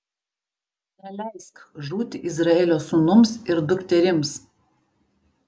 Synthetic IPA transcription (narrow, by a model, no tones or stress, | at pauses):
nʲɛlʲɛɪskʒuːt̪ʲɪʔɪzɾɐɛːlʲoːsuːnʊmsɪɾd̪ʊkʲt̪ʲɛɾʲɪms